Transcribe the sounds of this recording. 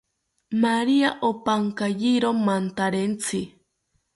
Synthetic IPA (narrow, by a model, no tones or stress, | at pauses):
maɾiaʔopaŋkajiɾomant̪aɾent͡sʰi